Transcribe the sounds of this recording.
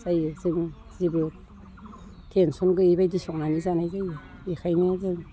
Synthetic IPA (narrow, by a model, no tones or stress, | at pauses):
zajzɯŋ | zibɾo | tʰensɔnɡɯibajdisɔk̚nanizanajzaj | ixʰajnizɯŋ